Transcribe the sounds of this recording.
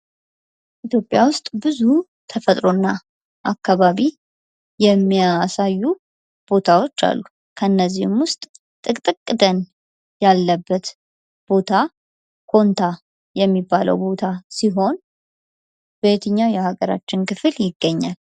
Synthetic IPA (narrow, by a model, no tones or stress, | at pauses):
ʔit̪ʰjo̞pʼjawʊst̪ʼbɨzu | t̪ʰəfət̪ʼɾo̞nːa | ʔakːaβaβi | jɛmːijasajːu | b̥o̞t̪ʰawo̞t͡ʃːa̰lːu | kʰənːəzːihmwʊst̪ʼ | t̪ʼɨkʼt̪ʼɨkʼːɨd̪ən | jalːəbːət̪ | b̥o̞t̪ʰa | kʰo̞nt̪ʰa | jɛmːibːalə̰wbo̞t̪ʰasiɦo̞n | bet̪ʰəɲːawjɛhaɡəɾa̰t͡ʃːɪnkɨfɨljɪɡːəɲːal